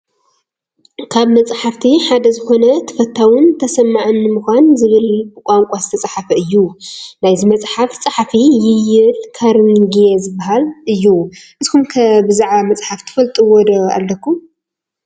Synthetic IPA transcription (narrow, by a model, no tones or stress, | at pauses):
kʰaβnɐt͡sʼħaft̪ʰiħad̪ɐzɨxo̞nɐt̪ʰɐ̥fɐt̪ʰːawʊnt̪ʰɐsɐmːaʕɨnːɨmuxʷanzɨβɨlbɨkʷʼaŋkʷʼazɨt̪ʰɐt͡sʼaħafɐɨjːunajzimɐt͡sʼħaft͡sʼaħfijɪjɪlkʰaɾnɡjezɨbːaɦalɨjːuʔɨzkumkʰɐbɨzaʕβamɐt͡sʼħaft̪ʰɨ̥fɐlt̪ʼɨwod̪oa̰lːɐkʰːum